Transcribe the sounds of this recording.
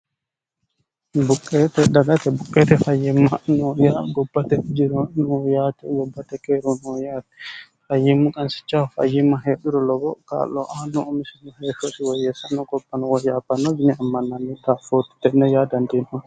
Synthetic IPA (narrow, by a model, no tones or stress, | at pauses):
bukʼːɛːt̪ɛdɐɡat̪ɛbukʼːɛt̪ɛfajimːanɔjaɡɔbːat̪ɛd͡ʒiɾɔnɔjat̪ɛɡɔbːat̪ɛkɛɾɔnɔjaːt̪ɛ̥ | fajːimːukʼɐnsɪ̥t͡ʃːaɔfa̰jːimːaɦeːɗuɾɔlɔbɔka̰ːlɔʔanːɔɔmisinɔhɛːʃɔsiwɔjɛsanːɔɡɔbːanɔwɔjaːpːanːɔd͡ʒinɛamːɐnːanːit̪afot̪i̥t̪ːɛnɛjaːd̪ɐnd̪inhɔn